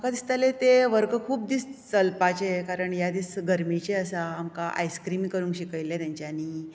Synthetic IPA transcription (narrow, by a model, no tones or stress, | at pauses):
məkad̪ist̪alet̪eʋəɾɡəkʰuːp̚d̪iːst͡səlpat͡ɕekaɾəɳjad̪iːt͡sɡəɾmit͡ɕeəsaːmkaʔa̰jskɾimikəɾuːŋkɕikəjljat̪jaɲt͡ɕjani